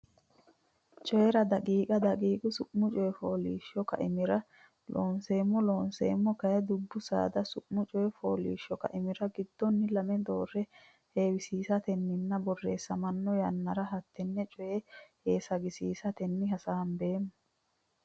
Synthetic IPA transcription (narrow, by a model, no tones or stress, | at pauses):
t͡ʃʼɔjɛɾɐd̪ɐkʼiːkʼɐd̪ɐkʼiːkʼʊsʊʔmʊt͡ʃʼɔjɛfoːliːʃːɔkɐ̰ʔɪmɪɾɐ | loːnse̞ːmːɔlo̞ːnsḛːmːɔkɐjɛd̪ʊbːʊsa̰ːd̪ɐsʊʔmʊt͡ʃʼɔjɛfoːlḭːʃːɔkɐ̰ʔɪmɪɾɐɡɪd̪ːɔnːɪlɐmɛd̪o̞ːrːɛ | heːwɪsiːsɐt̪ɛnːɪnːɐbɔrːeːsːɐmɐnːɔjɐnːɐɾɐɦɐt̪ːɛnːɛt͡ʃʼɔjɛheːsɐɡɪsiːsɐt̪ɛnːɪɦɐsaːnbe̞ːmːʊ